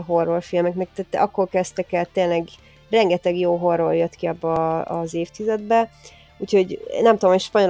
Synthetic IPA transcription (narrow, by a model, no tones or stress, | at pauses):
ɦo̞rːolfilmɛknɛk̚t̪æːt̪ːɒkːoːrkɛst̪ɛkɛt̪eːnlɛɡ | rɛŋɡɛt̪ɛɡjoːɦoroljøt̪kiɒbːɒːɒzeːft̪izɛd̪bɛ | uːcho̞ɟnɛmt̪udomhocʃpɒɲo̞l